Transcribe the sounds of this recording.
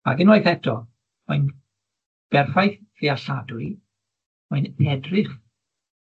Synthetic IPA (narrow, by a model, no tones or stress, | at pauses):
a̰ɡɪnoːɨðɛtʰɔ | ɔjn | b̥ɛrfajθriaɬadui | ɔɨnɛdrɪχ